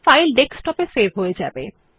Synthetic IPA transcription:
fajlɖeksʈɔpesebʱɦoed͡ʑa̰bḛ

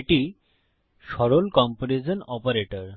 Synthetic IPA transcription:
ʈi | ʃɔɾolkɔmpoɾed͡ʑonɔpaɾeʈoɾ

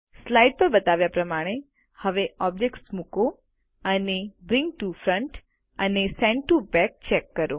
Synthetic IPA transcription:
slaiɖ̚pəɾbət̪aʋjapɾəmaɽ̃e | həʋeɔb̚d͡ʒek̚ʈsmuko | ənebɾĩŋɡ̚ʈufɾəɳʈ | ənesɛ̃ɳɖʈubɛk̚t͡ʃɛkːəɾo

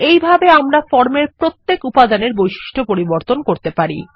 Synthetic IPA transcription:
ejbʱabeamɾafɔɾmeɾpɾot̪ːekupad̪aneɾbojʃi̥ʃʈʰopoɾiboɾt̪onkoɾt̪epaɾḭ

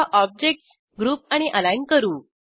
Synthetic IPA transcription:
aʔɔb̚d͡ʑek̚ʈs | ɡɾuːp̚aɽ̃iʔəlajnkəɾuː

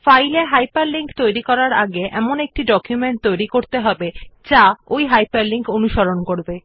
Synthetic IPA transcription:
fajleɦajpaɾliŋkt̪ojɾikɔɾaɾa̰ɡeʔɛ̰monek̚ʈiɖɔkjumeɳʈ̚t̪ojɾikoɾt̪eɦɔbed͡ʑaojɦajpaɾliŋkonuʃoɾonkoɾbe

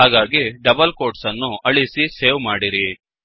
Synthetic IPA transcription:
ɦaːɡaːɡiɖɐbɐlkoːɾʈsɐnːuɐɭisiseːʋmaːɽiɾi

